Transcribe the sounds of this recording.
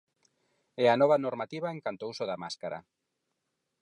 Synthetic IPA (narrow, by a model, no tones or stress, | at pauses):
ɛanɔβ̞anoɾmat̪iβaeŋkant̪ousoðamaskaɾa̰